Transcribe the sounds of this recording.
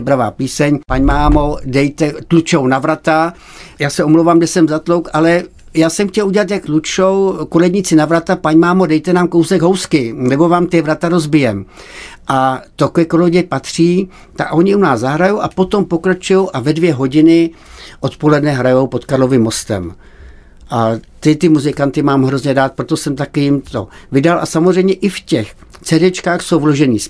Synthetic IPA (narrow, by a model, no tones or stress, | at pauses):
obɾava̰ːpiːsɛɲpaɲmaːmo̞dɛjt̪ɛt̪lut͡ʃownavɾat̪a | jaːsɛʔomlowvamɡdɛsɛmzat̪lowkʔalɛ | jaːsɛmxcɛluɟɛlat̪̬jak̚t̪lut͡ʃo̞wkolɛdɲɪt͡sɪnavɾat̪apaɲmaːmo̞dɛjt̪ɛnaːmkowsɛɡɦo̞wskɪnɛbo̞vaːmt̪ɪvɾat̪aɾozbɪjɛmʔat̪okojɛkoloɟɛpat̪r̝̥iː | t̪akʔo̞ɲɪunaːzzaɦɾajowʔapo̞t̪o̞mpo̞kɾat͡ʃujowʔavɛdvjɛɦo̞ɟɪnɪʔot̪po̞lɛdnɛɦɾajo̞wpo̞t̪kaɾlo̞vɪmːo̞st̪ɛ̰m | ʔat̪ɪt̪ɪmuzɪkant̪ɪmaːmɦɾo̞zɲɛdaːt̪̚pɾot̪osɛmt̪akɪjɪmt̪o̞̰vɪdalʔa̰samozrɛjmɲɛʔɪfcɛxt͡sɛdɛt͡ʃkaːxso̞wvlo̞ʒɛniːs